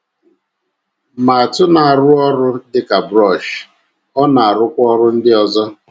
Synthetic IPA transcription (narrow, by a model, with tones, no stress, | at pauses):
ma˨a˨tʊ˦na˨a˨ɾʊ˦ɔ˦ɾʊ˦dɪ˦ka˨bɾɔ˦˨ʃ | ɔ˦na˨a˨ɾʊ˦kʷɔ˦ɾʊ˦n̩˦dɪ˦ɔ˦zɔ˦